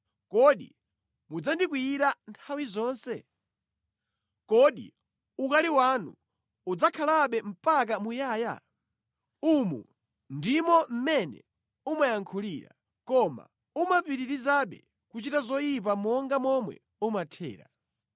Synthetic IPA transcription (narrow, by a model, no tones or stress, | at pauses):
kɔɗḭ | mud͡zandikwiːɾantʰawizɔːnsɛ | kɔɗḭ | ukaliwanṵ | ud͡zakʰalaɓɛm̩pak̬amujaːja̰ | umṵ | ndimɔm̩mɛnɛ̰ | umajaŋkʰuliːɾa̰ | kɔma̰ | umapiɾiɾizaɓɛ̰ | kut͡ʃitazɔjip̬amɔŋɡamɔmwɛ̰ | umatʰɛ̰ːɾa̰